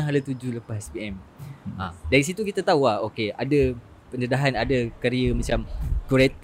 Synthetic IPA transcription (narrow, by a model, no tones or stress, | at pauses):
aɦalat̪ud͡ʒuləpasɛspiɛma̰daɾis̬it̪ukit̪at̪auahokeʔada | pənədaɦanadakəɾiəmat͡ʃamkuɾɛt̪̚